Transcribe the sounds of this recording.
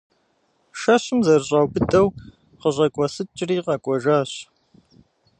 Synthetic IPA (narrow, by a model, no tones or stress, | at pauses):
ʃɐɕɪmzɐrɕʼaːwbɨtʼɐw | qəʑʷʼɐkʷʼɔsɨt͡ʃʼriːqɐkʷʼɔʒaːɕ